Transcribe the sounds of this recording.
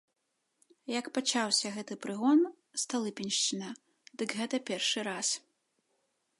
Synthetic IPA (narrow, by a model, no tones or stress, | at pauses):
jɐkpat͡ʂawsʲɐɣɛt̪ɨpɾɨɣɔn | st̪alˠɨpʲinʲʂt͡ʂɨnɐ | d̪ɨɡɣɛt̪ɐpʲɛrʂɨɾas